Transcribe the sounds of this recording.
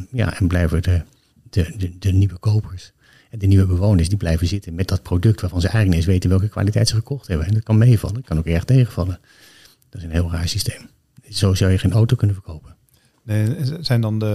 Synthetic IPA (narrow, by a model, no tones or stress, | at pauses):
ja̰ʔɛnblɛjvəədə | d̥əədəniʋəkowpʰəɹs | ɛndəniʋəbəʋownəɹsdiblɛjvəzɪtənmɛt̚dɑt̚prodɵk̚tʋaːɹvɑnzəʔɛjəənɪs̬ʋejtənʋɛlˠkəkʋa̰ːlitɛjtsəχəkɔχtɦɛbənɛndɑt̚kɑnmejvɑ̰lənkɑnoʊkɛɹχtejχəvɑlˠən | d̥ɑtɪsənɦɪːlˠraːɹsistejm | z̥owzɑwjəχenowtowkɵnənvəɹkowpən | nezɛjndɑndə